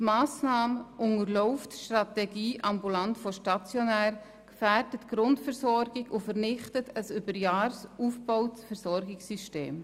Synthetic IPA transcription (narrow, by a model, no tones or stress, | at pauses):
tmɑːsnɑːməʔʊŋəɾlɔʊftʃtrɑtɛɡiːʔɑmbulɑntfɔʃtɑt͡sjɔnæːɾ | kfærdətɡ̥ɾʊntfɛɾsɔɾɡɪɡʊfəɾnɪχtətʰəsybəɾjɑːɾsuːfbɔʊtfɛɾsɔɾɡɪksyʃtḛːm